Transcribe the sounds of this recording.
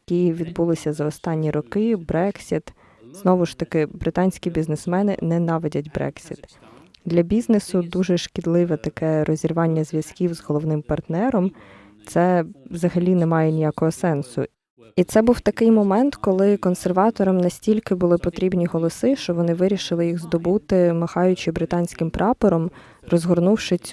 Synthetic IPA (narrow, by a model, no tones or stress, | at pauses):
jkʲiʋʲid̪bulˠɪsʲɐzɐɔst̪ɑnʲːiɾɔkɪbɾɛksʲit̪ | z̥nɔʋʊʃt̪ɐkɪbɾɪt̪ɑnʲsʲkʲibʲiznɪsmɛnɪ̰nɛnɑʋɪdʲɐtʲbɾɛ̰ksʲit̪ | d̪lʲɐbʲiznesʊd̪uʒɛʃkʲɪd̪lˠɪʋɛt̪ɐkɛɾɔzʲirʋɑnʲːɐzʲʋʲjɐskʲiwzɦɔlˠɔʋnɪmpɐrt̪nɛɾɔm | t̪sɛʋzɐɦɐlʲinɛmɑjɛnʲijakɔɦɔsɛnsʊ̰ | it̪sɛbuwt̪ɐkɪjmɔmɛnt̪kɔlˠɪkɔnsɛrʋɑt̪ɔɾɔmnɐsʲtʲilʲkɪbʊlˠɪpɔt̪ɾʲibnʲiɦɔlˠɔsɪʃt͡ʃɔʋɔnɪʋɪɾʲiʃɪlˠɪjiɣzd̪ɔbut̪ɪmɐxɑjʊt͡ʃɪbɾɪt̪ɑnʲsʲkɪmpɾʔɑpɔɾɔm | rɔzɦɔrnuwʃɪsʲ